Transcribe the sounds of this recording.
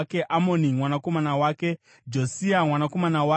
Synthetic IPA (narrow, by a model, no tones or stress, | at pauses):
ke̞ʔamo̞nimwanako̞manawaːke̞ | d͡ʒosiamwanako̞manawa